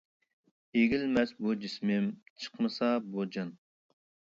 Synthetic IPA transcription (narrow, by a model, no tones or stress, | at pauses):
eɡʲilmɛsbud͡ʒismɪmt͡ʃʰə̥qmɨsɑbod͡ʒɑn